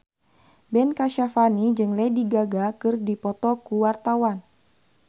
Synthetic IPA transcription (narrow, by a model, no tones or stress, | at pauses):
bɛnkaʃafanid͡ʒɨŋlediɡaɡakɨrdipɔt̪ɔkuwart̪awan